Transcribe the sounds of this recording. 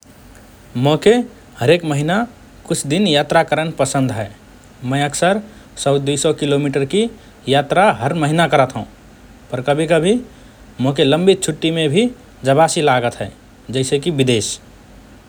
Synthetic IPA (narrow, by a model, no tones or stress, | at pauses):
moke | həɾekməɦina | kʊt͡ʃʰd̪injat̪ɾakəɾənpəsə̃nd̪ɦɛː | mə̃ɪəksəɾ | sɔd̪ujsɔkilomiʈəɾki | jat̪ɾaɦəɾməɦinakəɾət̪ɦəũ | pəɾkəbʱikəbʱi | mokeləmbit̪̚t͡ʃʰuʈːimẽbʱi | d͡ʒəbasilaɡət̪ɦɛː | d͡ʒɛɪsekibid̪es